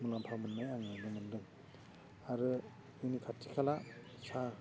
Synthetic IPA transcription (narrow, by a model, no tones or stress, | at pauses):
mulampʰamɯnmajaŋajdɯŋɯndɯŋ | aɾɯ | ɯnikʰatʰːi̥kʰala | sa